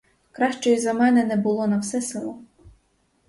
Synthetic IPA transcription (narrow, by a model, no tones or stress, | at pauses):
kɾɑʃt͡ʃɔjizɐmɛnɛnɛbʊlˠɔnɐwsɛsɪlˠɔ